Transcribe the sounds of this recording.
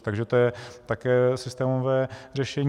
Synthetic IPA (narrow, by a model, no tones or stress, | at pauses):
t̪aɡʒɛt̪ojɛt̪akɛːsɪst̪ɛːmovɛːr̝ɛʃɛɲ